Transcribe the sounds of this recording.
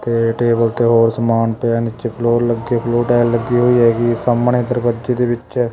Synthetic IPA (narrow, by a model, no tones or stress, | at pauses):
t̪eːʈeːbəlt̪eːɦoːɾsəmaːnpeaːnɪt͡ʃepʰloːɾləɡːeːpʰloːʈaːɪlːəɡiɦoːiːɦɛːɡisamɳẽːd̪əɾpəd͡ʒeːd̪eːbɪt͡ʃɛː